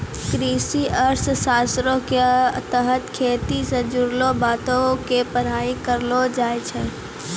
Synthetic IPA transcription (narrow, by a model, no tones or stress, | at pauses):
kɾiːsiəɾssaːsɾõket̪əɦət̪kʰeːt̪isẽd͡ʒʊɾlõbaːt̪õkepəɾaːikəɾlod͡ʒaːet͡ʃʰɛ̃